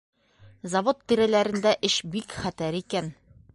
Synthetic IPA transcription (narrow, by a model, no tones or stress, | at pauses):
zɐvot̪ːiɾælæɾɘ̆nd̪æʔɘʃbikχæt̪æɾikæn